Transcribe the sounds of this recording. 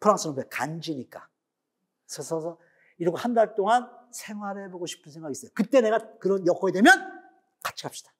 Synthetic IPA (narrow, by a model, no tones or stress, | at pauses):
pʰɯɾaŋs͈ɯnɯnpwekand͡ʑiɲik͈a̰ | sʰʌsʰʌsʰʌ | iɾiɡohandaɭt͈oŋansʰe̞ŋwaɾeboɡoɕʰi̥pʰɯnsʰe̞ŋɡaɡis͈ʌjokɯt͈e̞ne̞ɡakɯɾʌnjʌkʰʌedwe̞mjʌn | kat͡ɕʰi̥ap̚ɕ͈i̥d̥ḁ